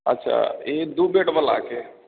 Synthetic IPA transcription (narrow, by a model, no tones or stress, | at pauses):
ɐ̰tːʃʰa̰ed̪ubeːʈbəla̰ːke